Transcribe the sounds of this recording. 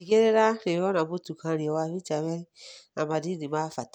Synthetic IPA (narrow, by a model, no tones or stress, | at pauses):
iɡeɾeɾaɾeɔnãmotukãɾiɔwaβit͡ʃawɛamãdidimãːfat